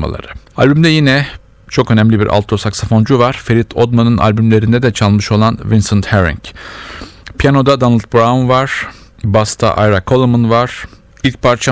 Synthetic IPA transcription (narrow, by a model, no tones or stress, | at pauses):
ma̰lˠa̰ɾɯalʲbymd̪ɛjinɛ | t͡ʃʰo̞kønæmlʲibiɾʔa̰lˠt̪ʰːosaksafo̞nd͡ʒuvaɾ̥feɾit̪ʰo̞d̪manɯnʔa̰lʲbymlʲe̞ɾind̪ɛd̪ɛt͡ʃʰalˠmɯʃo̞lˠanvinsɯnt̪heɾḭŋc | pʰijano̞d̪ad̪anɯlʲˠt̪̚bɾaunvaɾ̥ | bast̪ʰa̰ʔa̰jɾakʰo̞lˠmunvaɾ̥ | ilʲc̚pʰaɾt͡ʃʰa